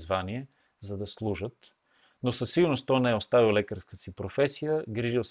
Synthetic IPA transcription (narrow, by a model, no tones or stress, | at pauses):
zvaniɛ | zɐd̪ɐslˠuʒət̪ | nosɐsːiɡʊɾnost̪ɔnɛɛost̪avilˠlɛkəɾskəsipɾofɛsijəɡɾiʒilˠs